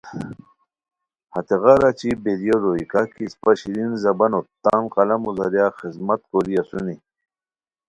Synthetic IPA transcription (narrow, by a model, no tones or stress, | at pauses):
hɐt̪eɣaɾat͡ɕibeɾijodoikakispɐɕiɾinzɐbɐnot̪ːaːnqɑlɐmuzɐɾjaxizmɐt̪koɾiasuni